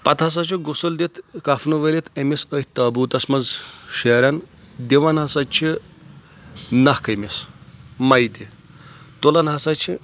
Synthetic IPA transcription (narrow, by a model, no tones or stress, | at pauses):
pɐt̪ʰɐs̬at͡ʃʰiɡusuld̪it̪kɐfnuʋelit̪ʰemisəhʲt̪ɐːbuːt̪ɐsmɐzʃeːɾʲan | d̪iʋanɦɐsat͡ʃʰi | nɐhkɐmismɐjd̪i | t̪olɐnɦɐsat͡ʃʰi